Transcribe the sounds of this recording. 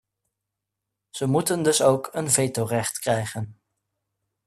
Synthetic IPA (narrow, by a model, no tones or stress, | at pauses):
z̥əmutəndɵsowkənvejtowrɛχtkrɛjχən